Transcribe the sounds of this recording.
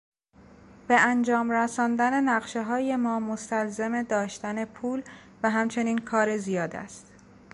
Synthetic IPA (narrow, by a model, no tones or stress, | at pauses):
b̥e̞ænd͡ʒɒːmɾæsɒːnd̪æne̞næɢʃeɦɒːje̞mɒːmost̪ælzeme̞d̪ɒːʃt̪æne̞pʰuːl | væɦæmt͡ʃʰe̞niːnkʰɒːɾe̞zijɒːd̪æ̰st̪